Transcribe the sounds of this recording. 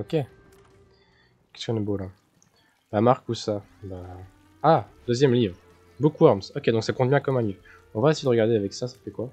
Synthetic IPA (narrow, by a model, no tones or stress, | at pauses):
ɔkʲe | kʲɛ̥stkʲjɔ̃nɛbola | bamaʁkusa | baː | d̪øzjɛmlivʁ | bukwaʁmsɔkʲed̪ɔ̃ksakɔ̃t̪̚bjɛ̃kɔmɛ̃livʁ | ɔ̃vaesejdəʁəɡaʁd̪eavɛksasḁfɛkwa